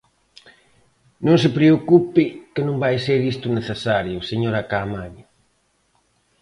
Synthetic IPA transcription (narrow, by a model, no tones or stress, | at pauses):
nõŋsɪpɾeokupɪkɪnõŋbajseɾist̪ʊneθesaɾjʊseɲoɾakamaɲ